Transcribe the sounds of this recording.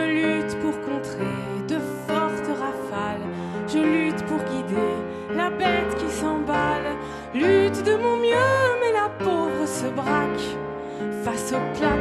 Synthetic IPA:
əlyt̪puʁkɔ̃t̪χe | d̪əfɔʁt̪əʁafal | ʒəlyt̪puʁɡʲid̪e | labɛt̪kʲisɑ̃bal | lyt̪d̪əmɔ̃mjømɛlapovʁəsəbʁak | fasopla

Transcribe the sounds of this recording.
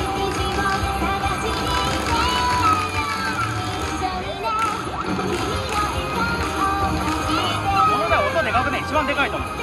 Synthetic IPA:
sonod̪aot̪ːod̪eɡakɯnẽit͡ɕibãnd̪e̞kait̪omo

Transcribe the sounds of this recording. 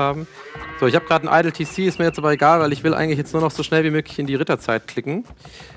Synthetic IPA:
aːbm̩z̥oːɪçhaːbəɡʁaːdn̩ʔa̰ɪdl̩tʰiːsiːɪstmiːɐjɛt͡stʔaːbɐeɡaːlvaɪlɪçv̥ɪlʔa̰ɪɡŋ̩tlɪçjɛt͡stnuːɐnɔχz̥oːʃnɛlviːmøːklɪçɪndiːʁɪtɐt͡saɪtkʰl̥ɪkŋ̩

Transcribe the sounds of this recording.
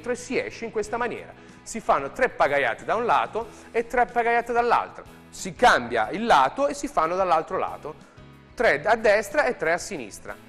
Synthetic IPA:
t̪ɾoesːiɛ̰ʃːeiŋkwest̪amanjɛ̰ːɾa̰ | sifanːot̪ɾɛpːaɡaja̰ːt̪ed̪aunla̰ːt̪o | et̪ːɾɛpːaɡajaːt̪ed̪alːa̰lt̪ɾo | sikambja̰ilːaːt̪oesːifanːod̪alːalt̪ɾola̰ːt̪o | t̪ɾɛad̪ːɛst̪ɾaet̪ːɾɛasːinḭst̪ɾa̰

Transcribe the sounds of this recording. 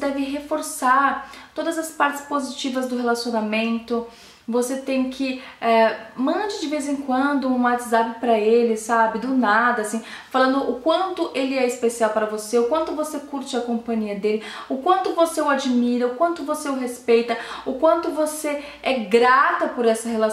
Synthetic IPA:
d̪ɛvɪɦefoɾsaɾt̪od̪ɐzɐspaɾt͡ʃɪ̥spozit͡ʃivɐzd̪ʊɦelasionamẽnt̪ʊ | voset̪ẽj̃kʰɪɛmɐ̃d͡ʒɪd͡ʒɪvejzẽkwɐ̃nd̪ʊũat̪zapɪpɾɐelɪsabɪd̪ʊnad̪ɐsĩ | falɐ̃nd̪ʊʔʊkwɐ̃nt̪ʊʔelɪɛɪspesiawpaɾɐvoseʊkwɐ̃nt̪ʊvosekuɾt͡ʃɪɐkõpɐ̃ɲiɐd̪elɪ | ʊkwɐ̃nt̪ʊvoseʊad͡ʒimiɾɐʊkwɐ̃nt̪ʊvoseʊɦespejt̪ɐʊkwɐ̃nt̪ʊvose | ɛɡɾat̪ɐpoɾɛsɐhela

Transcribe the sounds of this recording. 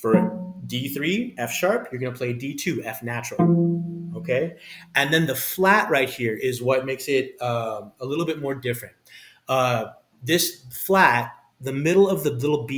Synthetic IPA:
fə˞diθɹiɛfʃɑɹpʰjə˞ɡʌnəpʰl̥eɪditʰʉɛfnæt͡ʃɹl̩ˠoʊkʰeɪɨ̃nðɨ̃nðəflæʔ̚ɹaɪt̚hiɹʔɪzwʌt̚meɪksɪɾʌ̃məlɪɾl̩ˠbɪt̚mɔɹdɪfɹɨ̃nt̚ | ʌ | ðɪsflæt̚ | ðɨmɪɾl̩ˠʌvðɨlɪɾl̩ˠbi

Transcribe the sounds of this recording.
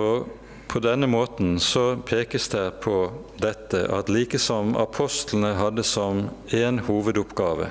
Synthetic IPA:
o | pʰɔd̪ɛnəmoːt̪n̩sɔpʰeːkəsd̪ɛɪpʰɔ | d̪ɛt̪ːəʔɑt̪liːkəsɔmɑ̰pʰɔst̪ln̩əɦɑd̪əsɔmeːnhuːʋəd̪ʊpɡɑːʋə̰

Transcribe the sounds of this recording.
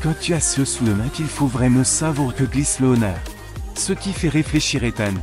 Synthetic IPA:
kɑ̃t̪yasøsuləmɛ̃kilfovʁɛmɑ̃savwaʁkəɡlisləɔnœːʁ | səkʲifɛʁefleʃiʁet̪ɛn

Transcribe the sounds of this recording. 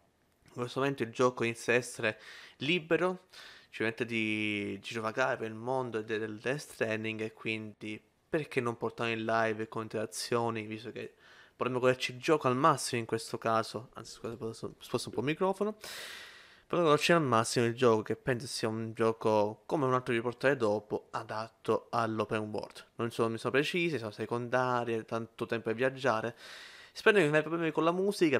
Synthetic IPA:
iŋkwest̪omoment̪oild͡ʒɔːkoinit̪sjad̪ɛsːeɾelibeɾot͡ʃipɾmet̪ːad̪id͡ʒit̪ɾovakaɾepeɾilmond̪oed̪ɛd̪eld̪est̪ɾɛniŋɡekːwind̪i | perkenːomport̪anoinlajvkonint̪eɾat̪sːjoːnivist̪okepːoɾemːoɡoleɾt͡ʃild͡ʒɔːkoalmasːimoiŋkwest̪okaːzoa̰nt̪si̥skasssposːoumpɔmːikɾɔːfono | peɾɡɔleɾt͡ʃialmasːimoild͡ʒɔːkok̟epːɛnsosiːaund͡ʒɔːkokomɛunalt̪ɾoiport̪aːɾed̪ɔːpoad̪at̪ʰːoalːopenwɔ̰rd̪nonsonomisonopɾet͡ʃiːsimsonosekond̪aːɾjet̪ant̪ot̪ɛmpoevːjad͡ʒːaːɾespɛɾnokennajpɾoblɛmikolamuːzika

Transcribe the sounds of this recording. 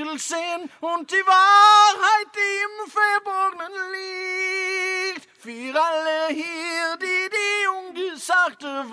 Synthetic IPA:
əlsɪnʊnt̚d̥iːvaːʁhaɪt̚d̥iɪmfɛbɔɡənənli | kt | fyːʁalːəhiʁdidiʊnɡəsaktəv

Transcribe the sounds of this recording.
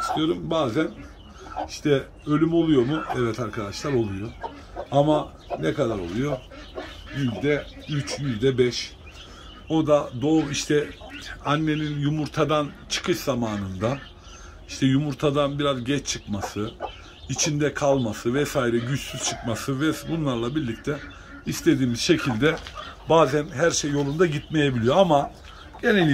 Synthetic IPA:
sk̪ʰɯjo̞ɾumbaːzæn | iʃt̪ʰɛ | ø̞lʲymo̞lˠujo̞muɛvɛt̪ʰaɾkʰad̪aʃlˠaɾo̞lˠujo̞ | ama | nɛkad̪aɾo̞lˠujo̞ | jyzʲd̪ɛ | yt͡ʃjyzʲd̪ɛbɛʃ | o̞d̪ad̪oːviʃt̪ʰɛ | anːe̞ninjumuɾt̪ʰad̪ant͡ʃʰɯ̥kʰɯʃzamaːnɯnd̪a | iʃt̪ʰɛjumuɾt̪ʰad̪anbiɾazɟɛt͡ʃt͡ʃʰɯkmasɯ | it͡ʃʰind̪ɛkʰalˠmasɯvɛsaːiɾɛɟyt͡ʃsyz̥t͡ʃʰɯkmasɯvɛbunlˠaɾlˠabiɾlʲic̚t̪ʰɛ | ist̪ʰe̞d̪iːmiz̥ʃe̞cʰilʲd̪ɛbaːzænɦæɾʃejːo̞lˠund̪aɟit̪me̞jebilʲijo̞ama | ɟ̥e̞nelʲ

